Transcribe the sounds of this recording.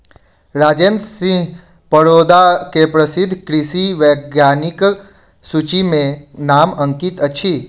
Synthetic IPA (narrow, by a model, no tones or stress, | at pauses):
ɾad͡ʒend̪sĩɦ | pəɾod̪akepɾəsid̪ʱːkɾisiʋəɡjanik | sut͡ʃimẽnamə̃ŋkit̪ət͡ʃʰi